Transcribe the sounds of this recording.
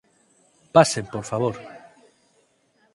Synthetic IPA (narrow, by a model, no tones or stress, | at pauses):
pasẽmpoɾfaβ̞oɾ